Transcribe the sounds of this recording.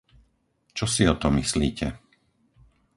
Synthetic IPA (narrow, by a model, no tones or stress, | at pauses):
t͡ʃɔsiɔt̪ɔmislḭːcʰɛ